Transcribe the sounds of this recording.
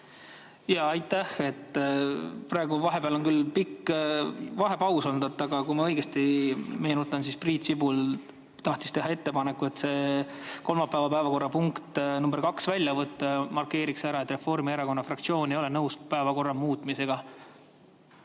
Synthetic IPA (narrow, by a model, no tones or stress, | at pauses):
jɑɑjt̪ːæhe̞t̪ː | prɑe̞ɡuvɑɦe̞beɑlo̞nkylpikː | vɑɦe̞pɑwsond̪̥ɑt̪ːˑɑɡ̥ɑkujmɑɤ̞jɡ̥est̪imejenut̪ˑːɑnsispriːt̪sibul | t̪ɑht̪ist̪e̞ɦɑe̞t̪ːe̞pɑne̞kːˑue̞t̪ːse̞ːko̞lmɑpːæevɑpævɑko̞rːɑpuŋkt̪numberkɑksvælʲjɑvɤt̪ːˑɑmɑrkːe̞ːɾiksæɾɑe̞t̪re̞fo̞rmieɾɑko̞nːɑfrɑkt̪sio̞ːnejo̞le̞nɤwspæevɑko̞rːɑmuːt̪ˑmise̞ɡ̥ɑ